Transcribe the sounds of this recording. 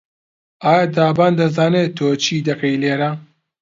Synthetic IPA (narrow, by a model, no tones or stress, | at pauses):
aːjad̪aːbaːnd̪ɐzaːneːt̪ʰoːt͡ʃʰiːd̪ɐkɐjleːɾa